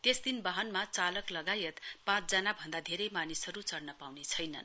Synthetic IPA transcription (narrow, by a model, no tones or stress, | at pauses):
t̪esd̪inbʌɦʌnmat͡salʌklʌɡajʌt̪pãt͡sd͡zʌnabʱʌnd̪ad̪ʱeɾʌjmanisɦʌɾut͡sʌrnʌpawnet͡sʰʌjnʌ̰n